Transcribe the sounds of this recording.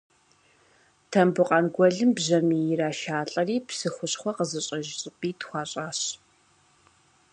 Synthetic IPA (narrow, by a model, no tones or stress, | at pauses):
tʰɐmbɨqʼɐnɡʷɔɮɨmbʑɐmiːjɪraːʃaːɬʼɐriːpʰsɨxʷʊɕχʷɔqəzɨɕʼɐʒɕʼɪpʼiːtχʷɑːɕʼaːɕ